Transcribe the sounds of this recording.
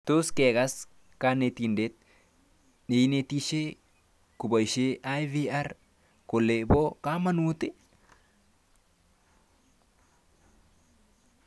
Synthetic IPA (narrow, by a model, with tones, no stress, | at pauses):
t̪u˦ske˨ka˦s | ka˦ne˨t̪inde˦t̪̚ | ne˨jne˦t̪i˦ʃe˦ | ku˨ba˨jʃe˦ʔa˦jvi˦a˦ɾ | ko˨lːe˨bo˦ka˦ma˦nut̪ɪ˦